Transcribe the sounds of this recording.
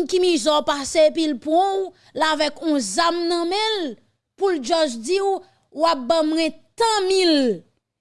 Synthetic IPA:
kimĩzɔpasepilpɔ̃w | lavɛkũzamnɐ̃mɛ̃l | puld͡ʒɔʒd͡ziw | wap̚bãmwɛ̃t̪ãmil

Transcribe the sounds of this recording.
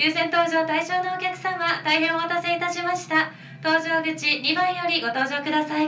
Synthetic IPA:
jɨːsẽ̞nt̪o̞ːʑo̞ːt̪aiʑo̞ːnookʲakɯ̟̥sãmːat̪aiɦẽ̞oβat̪ase̞it̪aɕimaɕi̥t̪a | t̪o̞ːʑo̞ːɡɯ̟t͡ɕiɲʲibãɰ̃jo̞ɾʲiɡo̞t̪o̞ːʑo̞ːkɯ̟d̪asai

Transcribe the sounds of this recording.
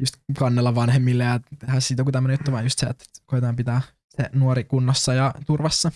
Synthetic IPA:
just̪kɑnːelːɑʋɑnhemːilːejɑt̪ehæːsiːt̪okɡut̪æmːønejut̪ːuʋɑːnjust̪sḛt̪ːkoit̪ɑːmpit̪æː | senuoɾikunːɑsːɑjɑt̪urʋɑsːɑ

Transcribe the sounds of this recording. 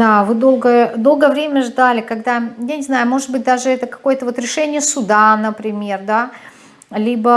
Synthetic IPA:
d̪avɨd̪o̞lˠɡəəd̪o̞lˠɡəjəvɾʲemʲəʐd̪alʲɪkɐɡd̪ajanʲɪznajʊmo̞ʐɨt̪̚bɨt̚ʲd̪aʐɨɛt̪əkɐ̥ko̞jət̪əvo̞t̪ɾʲɪʂɛnʲɪjəsʊd̪anəpɾʲɪmʲe̞rd̪a | lʲibə

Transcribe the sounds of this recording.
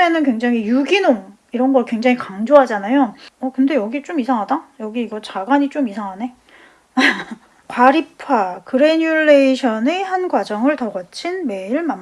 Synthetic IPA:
enɯnkwe̞ŋd͡ʑaŋijuɡinom | iɾʌnɡʌɭkwe̞ŋd͡ʑaŋikaŋd͡ʑoɦad͡ʑanajoʌkɯnde̞jʌɡit͡ɕ͈omisʰaŋɦadajʌɡiːɡʌt͡ɕaɡwaɲit͡ɕ͈omisʰaŋɦane̞ | kwaɾipʰakɯɾeɲuɭːe̞iɕʰʌnehanɡwad͡ʑʌŋɯɭtʌɡʌt͡ɕʰinme̞iɭman

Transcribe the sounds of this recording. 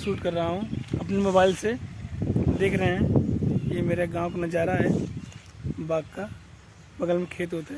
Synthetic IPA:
suːʈkɐɾːɐɦaɦũɐpnemobaːɪlse | d̪eːkʰɾəɦɛ̃jemeːɾaɡãːwkonad͡ʒaːɾaɦɛː | baːɡka | bɐɡəlmẽkʰeːt̪ɦoːt̪eɛ

